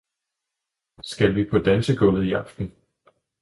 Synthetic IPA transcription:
sɡ̥ælʋipʰɒ̽d̥ænsəɡ̥ɔ̽lð̩ˠiɑ̈fd̥n̩

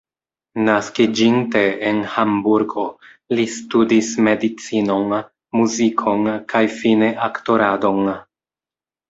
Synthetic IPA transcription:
naskid͡ʒinte̞enhambuɾɡo̞ | listudisme̞dit͡sino̞n | muzikʰo̞nkʰajfineʔakto̞ɾado̞ŋ

